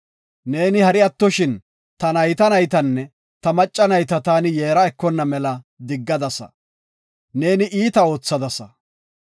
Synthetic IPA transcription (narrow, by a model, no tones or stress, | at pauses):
ne̞ːnɪhɐɾɪɐt̪ːɔʃɪn | t̪ɐnɐjt̪ɐnɐjt̪ɐnːɛ | t̪ɐmɐt͡ʃʼːɐnɐjt̪ɐt̪aːnɪjeːɾɐɛkːɔnːɐmɛlɐ | d̪ɪɡːɐd̪ɐsɐ̰ | ne̞ːnɪʔiːt̪ɐo̞ːt͡sːɐd̪ɐsɐ